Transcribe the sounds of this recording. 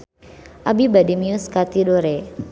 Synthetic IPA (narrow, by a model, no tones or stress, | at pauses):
ʔabibadimiʊskat̪idoɾe